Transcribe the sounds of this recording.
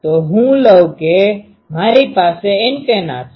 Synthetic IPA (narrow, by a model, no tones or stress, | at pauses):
t̪oɦũləwke | maːɾipaːseɪnkena̰ːt̪